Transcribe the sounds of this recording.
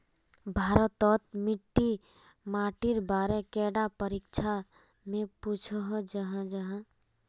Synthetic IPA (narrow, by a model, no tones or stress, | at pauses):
bʱaːɾət̪ːɔt̪miʈːi | maːʈiɾbaːɾekɛːɖapəɾikt͡ʃʰa | mẽput͡ʃʰəɦd͡ʒəɦãd͡ʒəɦã